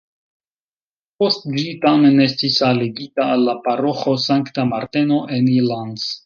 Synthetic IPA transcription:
po̞std͡ʒitame̞ne̞stisaleɡitaːlːapaɾo̞xo̞saŋktamaɾte̞no̞ʔe̞nilandz

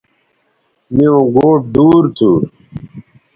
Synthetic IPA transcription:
miõɡoːp̚d̪uːɾt͡suːɾ

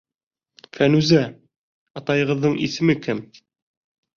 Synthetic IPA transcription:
fænʉzæ | ɑt̪ɑjɤ̆ʁɤ̆ðːɤɴisɘ̆mɘkɘm

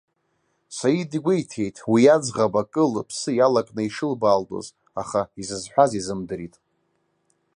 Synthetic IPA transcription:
sajidiɡʷejtʰe̞jtʼwijad͡zʁabakʼɨlpʰsɨjalakʼnɨiʂɨlbaːltʼo̰z | a̰χaizɨzħʷᶣazizɨmdɨɾitʼ

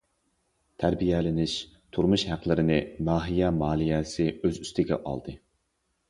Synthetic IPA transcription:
t̪ʰæɾbijɛlɪnɪʃ | t̪ʰuɾmuʃhæqlˠɪɾɪnɪmɑːɦijɛmɑːlˠijɛsɪøzyst̪ɪɡʲɛ̰ʔɑ̰lˠd̪ɨ

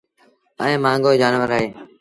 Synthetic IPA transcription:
əẽːmãːŋɡoːd͡ʒaːnʋəɾaːɦeː

